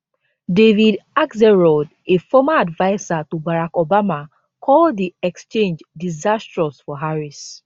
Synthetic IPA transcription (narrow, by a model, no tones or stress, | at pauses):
devidakzɛɹɔd | efɔmaadvaɪzatobaɾakobama | kʰɔldiɛkst͡ʃẽnd͡ʒdizastɹɔsfɔɦaɾis